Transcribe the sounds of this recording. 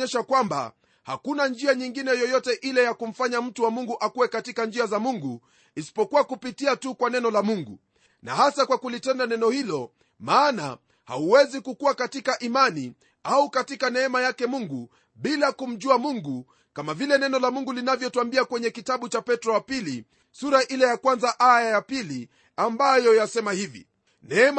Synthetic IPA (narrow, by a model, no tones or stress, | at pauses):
ɛʃakwamba̰ | ha̰kunand͡ʒiaɲiŋɡinɛjɔjɔtɛʔilɛjakum̩faɲam̩tuwamuŋɡuʔakuwɛkatikand͡ʒiazamuŋɡu | isi̥pɔkuwakupitiatukwanɛnɔlamuŋɡu | nahasakwakulitɛndanɛnɔhilɔ | maːna̰ | ha̰uwɛzikukuwakatikaʔimani | aukatikanɛɛmajakɛmuŋɡu | ɓilakum̩ʄuamuŋɡu | kamavilɛnɛnɔlamuŋɡulinavjɔtuambiakwɛɲɛkitaɓut͡ʃapɛtɾɔwapili | suɾaʔilɛjakwanzaʔajajapili | ambajɔjasɛmahivḭ | nɛɛm